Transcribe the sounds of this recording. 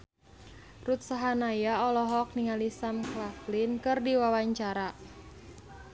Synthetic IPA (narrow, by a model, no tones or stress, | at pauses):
rut̪̚saɦanajaɔlɔɦɔk̚niŋalisamklaflinkɨrdiwawaɲt͡ʃaɾa